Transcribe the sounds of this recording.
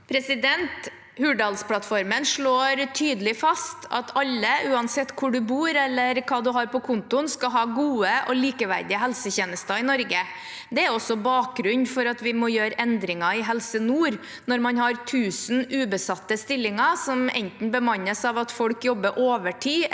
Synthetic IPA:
pʰɾɛsɪd̪ɛnt̪ | hʉːɖɑlspʰlɑt̪fɔɾmənʂɭoːɾt̪ʰyːd̪əlɪfɑst̪ʰɑ̰t̪ɑlːəʉːɑnsɛt̪ːkʰʊɖʉbuːɾɛlːəɾkʰɑːd̪ʉɦɑɾpɔkʰʊnt̪ʊnskɑɦɑːɡuːəʔɔliːkəʋæ̰ɾd̪ɪəɦɛlsəçeːnəst̪ɑɪnɔɾɡə | d̪ɛæɾɔsːɔbɑːk̚ɡɾʉnfɔɾɑt̪ʋɪmɔːjøːɾɛnd̪ɾɪŋɑɪɦɛlsənuːɾ | nɔɾmɑnhɑɾt̪ʰʉːsnʉːbəsɑt̪ːəst̪ɪlːɪŋɑsɔmɛ̰nt̪n̩bəmɑɲːəsɑʋɑt̪fɔlkjɔbːəʔoːʋəʈʰiː

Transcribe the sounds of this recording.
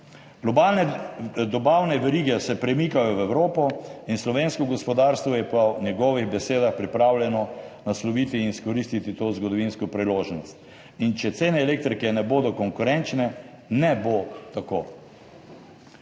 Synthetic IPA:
ɡ̥lɔbalnɛd̪ɔbaːwnɛʋɛɾiːɡɛsɛpɾɛmiːkajɔwɛwɾoːpɔinslɔʋeːnskɔɡɔspɔd̪aɾst̪ʋɔjɛpɔnɛɡɔːʋiɣbɛseːd̪axpɾipɾaːwlʲjɛnɔnaslɔʋiːt̪iːnskɔɾist̪it̪it̪oːzɡɔd̪ɔʋinskɔpɾiloːʒnɔst̪ | int͡ʃɛt̪seːnɛːleːk̚t̪ɾikɛnɛboːd̪ɔkɔŋkuɾɛnt͡ʃnɛ | nɛbot̪akoː

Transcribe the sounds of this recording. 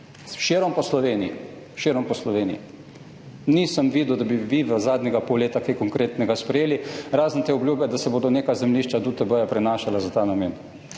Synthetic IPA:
ʃiɾɔmpɔslɔʋeːnii | ʃeɾɔmpɔslɔʋeːnḭḭ | nisəmʋiːd̪ud̪abiʋiʋəzaːd̪nʲɛɡapɔwleːt̪akajkɔŋkɾeːt̪nɛɡaspɾɛjeːliɾaːznt̪eːɔbljubjɛd̪asɛboːd̪ɔneːkazɛmliːʃt͡ʃad̪ut̪əbəjapɾɛnaːʃalazat̪aːnameːn

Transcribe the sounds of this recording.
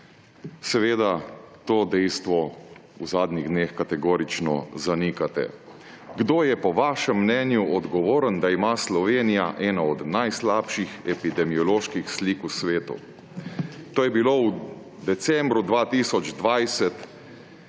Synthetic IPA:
sɛʋeːd̪at̪oːd̪ɛjst̪ʋɔuzaːd̪niɣd̪neːxkat̪ɛɡoːɾit͡ʃnɔ̰zanikat̪ɛ̰ | ɡd̪oːjɛpɔʋaːʃɛmːnɛnjuʔɔd̪ɡɔʋoːɾənd̪aimaslɔʋeːnijaʔɛːnaɔd̪najslaːpʃixɛpid̪ɛmiɔloːʃkixsliːkusʋeːt̪ṵ | t̪oːjɛbiloːw | d̪ɛsɛmbɾud̪ʋaːt̪iːsɔd͡ʒd̪ʋajsɛt̪

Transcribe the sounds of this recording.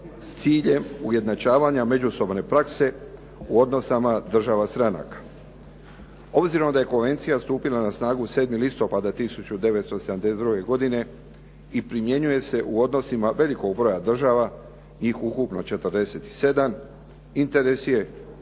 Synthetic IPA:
st̪siːʎe̞muje̞d̪nat͡ʃaːʋaɲame̞d͡ʒuso̞bne̞pɾakse̞ | uo̞d̪no̞samad̪r̩ʒaʋast̪ɾana̰kḁ | o̞bziɾo̞md̪aje̞ko̞nʋe̞nt̪sijast̪uːpilanasnaːɡuse̞ːd̪milist̪o̞pad̪at̪isut͡ɕud̪e̞ʋet̪st̪o̞sed̪amd̪esed̪ɾuɡe̞ɡo̞d̪ine̞ | ipɾimje̞ɲuje̞se̞ʔuo̞d̪no̞simaʋe̞liko̞ɡbɾo̞jad̪r̩ʒaʋa | ɲiːxukupno̞t͡ʃe̞t̪ərd̪e̞se̞t̪i̥se̞d̪am | int̪e̞ɾe̞sje̞

